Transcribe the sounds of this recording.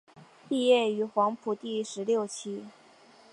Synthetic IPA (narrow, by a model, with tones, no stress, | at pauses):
pi˥˧jɛ˥˩y˧˥xwɑ˧˥ŋpʰu˨˩t̪i˥˩ʂɻ̩˧˥ljo˥˩ʊt͡ɕʰi˥